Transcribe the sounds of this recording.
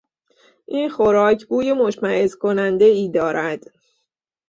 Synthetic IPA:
ʔiːnxoɾɒːcʰbuːjemo̞ʃmæʔezkʰo̞nænd̪e̞iːd̪ɒːɾʔæd̪̥

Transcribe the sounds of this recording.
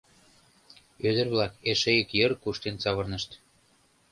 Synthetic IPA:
ød̪ə̆rβlɑkeʃejə̆kjɤrkuʃt̪ent͡sɑβɤ̆rnə̆ʃt̪

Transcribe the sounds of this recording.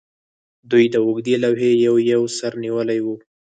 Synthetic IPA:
d̪ujd̪əʊɡd̪elawɦejawjawsaɾniwəlajwu

